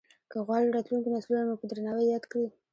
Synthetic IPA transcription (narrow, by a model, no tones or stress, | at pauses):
kəɣwɑliɾɑt̪luŋkimasalunomopəd̪ɾanɑwajɑd̪kɽi